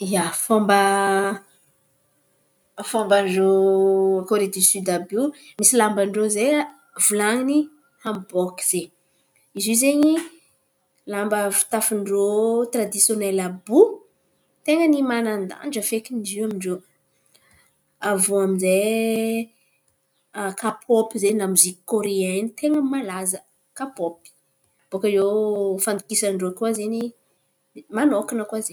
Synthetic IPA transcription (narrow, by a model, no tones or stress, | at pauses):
ijafɔmbə | fɔmbaɳɖ͡ʐo | koɾed̪isyd̪abimisilambəɳɖ͡ʐozea | vulaŋini | hambɔki̥z̥e | izizeɲi | lambəfi̥t̪afiɳɖ͡ʐot̪rad̪isjonɛlabu | t̪eŋənimanand̪a̰nd͡ʒəfekiniziwamiɳɖ͡ʐe | avuaminze | kapʰopizenamuziki̥koɾeɛnit̪eŋəmalazə | kapopi̥ | b̥okəewfand̪ukisəɳɖ͡ʐokwazeɲi | manokinəkwazeɲ